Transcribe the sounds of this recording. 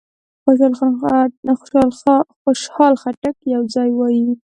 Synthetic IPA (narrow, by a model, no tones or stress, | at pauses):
xʊʃɑl | xʊʃɑlxoʃhɑlxaʈakjawd͡zɑjwɑji